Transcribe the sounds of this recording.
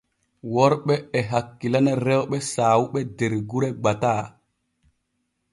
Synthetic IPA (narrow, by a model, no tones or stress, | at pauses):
wɔɾɓɛːɦakːilanɛɾɛwɓɛsaːwuɓɛdeɾɡuɾɛɡ͡bataː